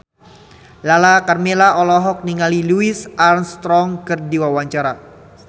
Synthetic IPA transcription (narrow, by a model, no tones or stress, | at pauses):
lalakarmelaʔɔlɔɦɔk̚niŋaliluisʔarnst̪ɾɔŋkɨrdiwawaɲt͡ʃaɾa